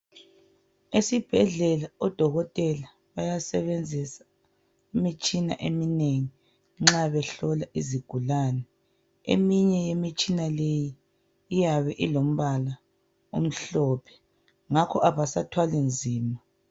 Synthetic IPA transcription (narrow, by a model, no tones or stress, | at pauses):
esib̥ʱɛɮɛlaɔd̥ʱɔɣɔtʼɛla | βajasɛβend͡zʱisḁ | imit͡ʃʼina̰ʔemineŋi | ŋ͡ǁaβɛɬɔlaʔiziɡ̥ʱulaːnɛ | ḛmiɲɛjemit͡ʃʼinalejiː | jaβɛʔilom̩βala | ṵm̩ɬɔːpʰɛ̥ | ŋakʰɔʔaβasatʰwalind͡zʱiːma